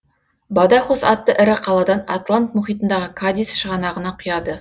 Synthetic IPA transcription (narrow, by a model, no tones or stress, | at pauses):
bɑd̪ɑχosɑt̪ːəʔɪɾɪqʰɑlˠɑd̪ɑna̰t̪lˠant̪mʊχijt̪ənd̪ɑʁəkʰad̪ijsʃəʁɑnɑʁənɑqʰʊjɑd̪ə